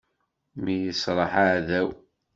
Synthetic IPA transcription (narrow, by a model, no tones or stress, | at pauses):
mijəsɾˤɑħaʕðæw